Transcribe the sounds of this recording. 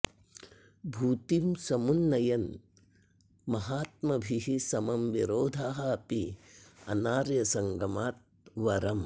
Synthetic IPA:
bʱuːt̪imsɐmunːɐjɐn | mɐɦaːt̪̚mɐbʱiɦisɐmɐmʋiɾoːd̪ʱaːɦɐɐpiɐ̰naːɾjɐsɐŋɡɐmaːt̪̚ʋɐɾɐm

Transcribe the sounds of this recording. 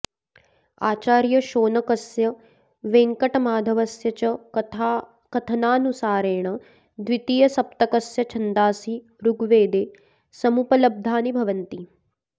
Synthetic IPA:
aːt͡ʃaːɾjɐʃoːnɐkɐsjɐ | ʋeːŋkɐʈɐmaːd̪ʱɐʋɐsjɐt͡ʃɐ | kɐt̪ʰɐnaːnusaːɾeːɳɐ | d̪ʋit̪iːjɐsɐp̚t̪ɐkɐsjɐt͡ʃʰɐnd̪aːsi | ɾuɡʋeːd̪eː | sɐmupɐlɐb̚d̪ʱaːnibʱɐʋɐnt̪i

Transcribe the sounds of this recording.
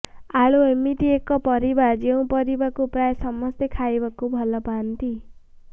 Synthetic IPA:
aɭoemiʈiekɔpʌɾibad͡ʒeũpʌɾibakupɾajsʌmʌst̪ekʰajbakubʱʌlɔpant̪i

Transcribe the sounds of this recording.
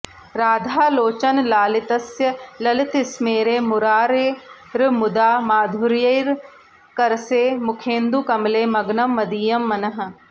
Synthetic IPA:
ɾaːd̪ʱaːloːt͡ʃənlaːlɪt̪əsjəlɐlɪt̪ɪsmeːɾeːmʊɾaːɾeː | ɾmʊd̪aːmaːd̪ʱʊɾjɐiɾ | kəɾseːmʊkʰẽːnd̪uːkɐmleːmɐɡnəmːɐd̪iːjəmːɐnəɦ

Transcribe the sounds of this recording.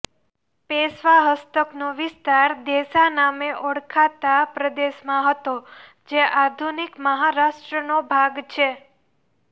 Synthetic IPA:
pesʋaɦəst̪əknoʋɪst̪aɾd̪eʃanameʔɔɽkʰat̪apɾəd̪eʃmãɦət̪o | d͡ʒeʔad̪ʱunikməɦaɾaʃʈɾənobʱaɡt͡ʃʰe

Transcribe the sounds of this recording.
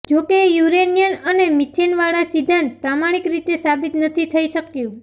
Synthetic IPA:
d͡ʒokejuɾenijənənemit̪ʰenʋaɭasid̪ʱant̪̚pɾamaɽ̃ikɾit̪esabit̪nət̪ʰit̪ʰəiʃəkjũ

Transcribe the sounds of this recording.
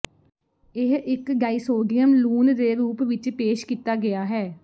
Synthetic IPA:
ɪɦɪkɡaːiːsoːɖɪjəmluːnd̪eːɾuːpʋɪt͡ʃpeːʃkiːt̪aːɡɪaːɦɛː

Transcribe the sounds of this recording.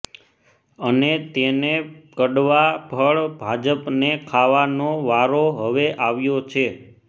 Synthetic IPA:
ənet̪enekəɖʋabʱəɭbʱad͡ʒəpnekʰaʋanoʋaɾoɦəʋeʔaʋjot͡ʃʰe

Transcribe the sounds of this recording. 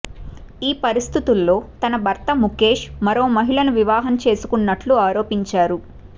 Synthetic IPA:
iːpɐɾist̪ʰit̪ulːo̞ːt̪ɐnɐbʱɐɾt̪ɐmuke̞ːʂmɐɾo̞ːmɐɦiɭɐnuʋiʋaːɦɐnt͡ʃe̞ːsu̥kunːɐʈluaːɾo̞ːpiɲt͡ʃaːɾu

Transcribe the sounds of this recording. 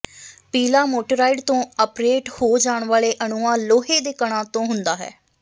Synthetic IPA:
piːlaːmoːʈəɾaːɪɖt̪õːəpɾeːʈhoːd͡ʒaːɳʋaːleːʔəɳuːãːloːɦeːd̪eːkəɳ̃ãːt̪õːɦʊnd̪aːɦɛ̰ː

